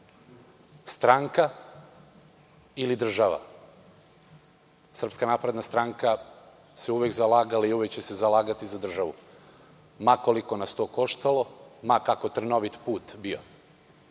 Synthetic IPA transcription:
st̪ɾaŋka | ilid̪r̩ʒaʋa̰ | sr̩pskanaːpɾe̞d̪nast̪ɾaŋka | seuʋekzalaːɡalaiuʋekt͡ɕesezalaːɡat̪izad̪r̩ʒaʋu | makoliko̞nast̪o̞ːko̞ʃt̪alˠo̞makako̞t̪r̩no̞ʋit̪puːt̪bio̞̰

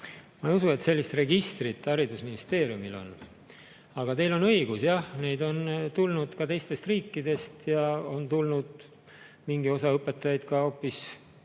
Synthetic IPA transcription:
mɑeijusue̞t̪se̞lʲːist̪re̞ɡist̪rit̪ːˑɑɾid̪usminist̪e̞ːɾijumilo̞̰n | ɑɡ̥ɑt̪e̞jlo̞nɤjɡusjɑhne̞jd̪o̞nt̪ulnud̪̥kɑt̪e̞jst̪e̞st̪riːkːid̪e̞st̪jɑo̞nt̪ulnud̪̥ | miŋɡio̞sɑɤpːˑe̞t̪ːˑɑjɑjd̪̥kɑo̞pːis

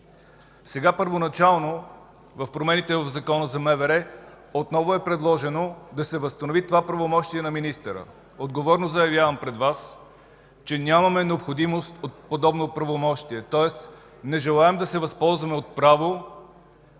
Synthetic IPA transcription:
sɛɡapəɾvonɐt͡ʃalˠno | vɐfpɾomɛnit̪ɛvɐvzɐkɔnəzɐmɛvɛɾɛ | ot̪nɔvʊɛpɾɛd̪lˠɔʒɛnod̪ɐsɛvəst̪ɐnovit̪ovapɾɐvomɔʃt̪iɛnɐminist̪əɾə̰ | od̪ɡovɔɾnozɐjɐvjavɐmpɾɛd̪vas | t͡ʃɛnʲamɐmɛnɛopxod̪imost̪ot̪̚pod̪ɔbnopɾɐvomɔʃt̪iɛt̪ɔɛs | nɛʒɛlˠaɛmd̪ɐsɛvɐspɔlˠzvɐmɛot̪̚pɾavo

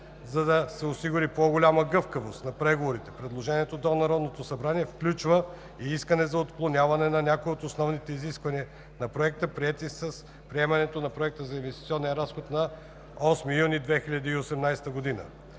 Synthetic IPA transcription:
zɐd̪ɐsɛosiɡʊɾipoɡolʲaməɡɤfkəvost̪nɐpɾɛɡovoɾit̪ɛ̥pɾɛd̪lˠoʒɛniɛt̪od̪onɐɾɔd̪not̪osɐbɾaniɛfklʲut͡ʃvə | iiskənɛzɐot̪klˠonʲavɐnɛnɐnʲakojot̪osnɔvnit̪ɛiziskvɐniɛ | nɐpɾoɛk̚t̪əpɾiɛt̪isɐs | pɾiɛmɐnɛt̪onɐpɾoɛk̚t̪əzɐinvɛst̪it̪siɔnːiəɾasxot̪nɐ | ɔsmijunid̪vɛxilʲɐd̪iːosɛmnajst̪əɡod̪inə̰

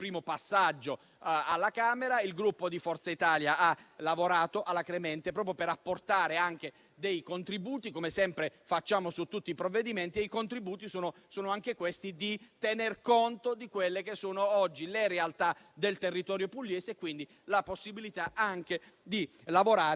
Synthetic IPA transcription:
pɾiːmopasːad͡ʒːo | alːakaːmeɾailɡɾupːod̪ifɔrt̪sait̪aːljaalavoɾaːt̪oʔalːakɾemɛnt̪epɾɔːpɾjopeɾapːort̪aːɾeaŋk̟e | d̪ejkont̪ɾibuːt̪ikomesɛmpɾefat͡ʃːaːmosut̪ːut̪ːiːpɾovːed̪iment̪ieikont̪ɾibuːt̪isoːnosoːnoaŋk̟ekwest̪id̪it̪enerkont̪od̪ikwelːekesːoːnoɔd͡ʒːileɾealt̪ad̪elt̪erːit̪ɔːɾjopulːjɛːzeːkːwind̪i | laposːibilit̪aʔaŋk̟ed̪i | lavoɾaː

